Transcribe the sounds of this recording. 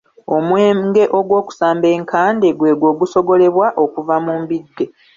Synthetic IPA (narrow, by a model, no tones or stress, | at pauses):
o̞mweːmɡe̞ʔo̞ɡwo̞ːku̥saːmbe̞ːŋkaːnde̞ɡwe̞ːɡwo̞ːɡuso̞ɡo̞le̞βwaʔo̞kuvamuːmbidːe̞